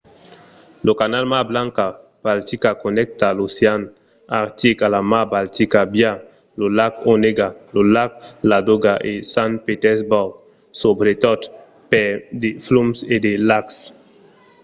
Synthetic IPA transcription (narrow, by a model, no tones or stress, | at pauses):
lokanalmasblãŋka | b̥alt̪ikakonɛk̚t̪alosjan | aɾt̪ikalamabalt̪ikabja | lolakoneɡalolak̚lad̪oɡaʔesanpet̪ɛsbaw | sobɾet̪ɔt̪ | pɛd̪eflumsed̪elaks